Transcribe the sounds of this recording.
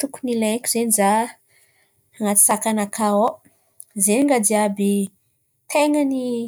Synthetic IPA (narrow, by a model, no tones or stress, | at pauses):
t̪ukunilakʲizeniza | ŋat̪i̥sakanakʰao | zeniŋɡad̪iabi | t̪eŋəni